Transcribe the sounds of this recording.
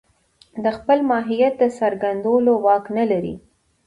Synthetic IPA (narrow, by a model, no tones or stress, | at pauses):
d̪əxpəlmɑɦijat̪̚d̪əsaɾɡand̪olowɑknalaɾḭ